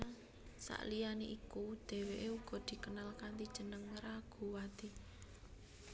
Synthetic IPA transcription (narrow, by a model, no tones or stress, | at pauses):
sa̰ʔlijaniʔikud̪̥e̤weʔeuɡ̥ɔ̤d̪̥i̤kənalkant̪id̥ʒ̥ə̤nəŋɾaɡ̥ṳwat̪i